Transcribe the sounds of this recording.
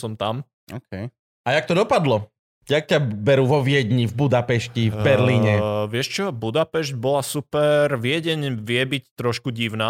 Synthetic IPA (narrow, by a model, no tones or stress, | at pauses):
sɔmt̪am | ɔkɛj | ajak̚t̪ɔd̪ɔpad̪lɔ | jak̚cabɛɾuːʋɔʋɪɛd̪ɲivbud̪apɛʃcivbɛɾliːɲɛʋɪɛʃt͡ʃɔbud̪apɛʃɟ̚bɔlasupɛɾʋɪɛɟɛɲʋɪɛbict̪ɾɔʃkuɟiʊnaː